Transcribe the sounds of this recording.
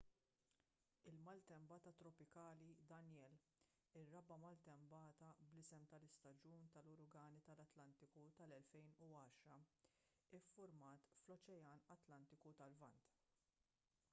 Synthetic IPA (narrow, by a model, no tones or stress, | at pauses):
ɪlmɐlt̪ɛmbɐːt̪ɐt̪ɾɔpɪkɐːlid̪ɐnjɛːl | ɪrːɐbɐmɐlt̪ɛmbɐːt̪ɐblɪsɛmt̪ɐlɪst̪ɐd͡ʒuːnt̪ɐlʊɾʊɡɐːnit̪ɐlɐt̪lɐnt̪ɪkut̪ɐlɛlfɛjnuɐːʃɾɐ | ɪfːʊɾmɐːt̪flɔt͡ʃɛjɐːnɐt̪lɐnt̪ɪkut̪ɐlvɐnt̪